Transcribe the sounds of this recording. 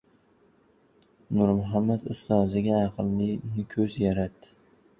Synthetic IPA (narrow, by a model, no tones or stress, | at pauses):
nʊɾmʊɦamːat̪ʊ̰st̪ɒzɪɡʲaːqʰɨllɪnɪkʲʰɵzjaɾat̪ːɪ